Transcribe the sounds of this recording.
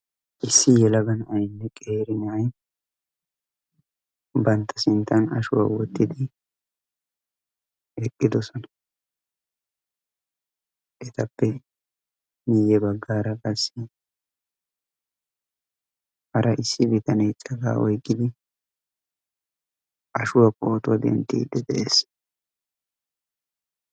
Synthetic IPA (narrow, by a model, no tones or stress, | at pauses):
ʔɪsːɪjɛlɐɡɐnɐjnːɛkʼeːɾɪnɐɐj | bɐnt̪ʰːɐsɪnt̪ʰːɐnɐ̰ʃʊwa̰wɔt̪ːɪd̪ɪ | ɛkʼːɪd̪ɔsɔnɐ | ʔɛt̪ɐpːɛ | miːjɛbɐɡːaːɾɐkʼɐsːɪ | hɐɾʔɐʔɪsːɪbɪt̪ɐnɛjt͡sʼɐɡa̰ːʔɔjkʼːɪd̪ɪ | ʔɐʃʊwɐkʼoːt̪ʊwɐd̪ɛ̰nt̪ːḭːd̪ːɛd̪ɛʔeːs